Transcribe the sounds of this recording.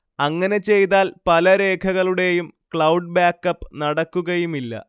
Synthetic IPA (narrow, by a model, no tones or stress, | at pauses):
ɐŋːɐne̞t͡ɕe̞jt̪aːlpɐlɐɾe̞ːkʰɐɣɐɭuɽe̞jumkɭɐwɖ̚baːkːɐpːɨnɐɽɐkːuɣɐjumilːɐ̰